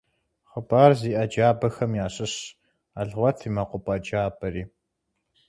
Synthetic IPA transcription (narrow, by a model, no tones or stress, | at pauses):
χəbaːrziːʔɐd͡ʒaːbɐxɐmjaːɕʼɪɕ | aɮʁʷɔtʰiːmɐqʷʊpʼɐd͡ʒaːbɐɾiː